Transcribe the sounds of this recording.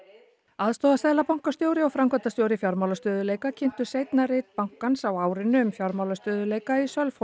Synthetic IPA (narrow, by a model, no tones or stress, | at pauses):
aðst̪ɔðast̪ɛðlapawŋ̥kast̪jowɾɪɔwfɾamkʰœt̪ast̪jowɾɪfjɔɾmawlast̪œːðʏleːjkacʰɪn̥t̪ʏ̥sejt̪naɾejt̪̚pawŋ̥kansawaːwɾɪnːʏʏmfjɔɾmawlast̪œːðʏleːjkaisœlf